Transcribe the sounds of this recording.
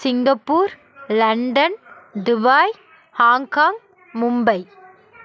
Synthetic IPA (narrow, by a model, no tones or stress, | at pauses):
sɪŋɡɐpːuːɾ | lɐɳɖɐnd̪ʊbaːj | haːŋkaːŋ | mʊmbɐɪ